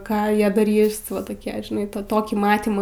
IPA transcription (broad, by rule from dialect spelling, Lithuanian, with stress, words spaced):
ˈkɑː ˈjiɛ dɐˈrʲiːs ˈʋɐ toːˈkʲiɛ ʒʲɪˈnɐɪ ˈtɑː ˈtoːkʲiː ˈmɑːtʲiːmɑː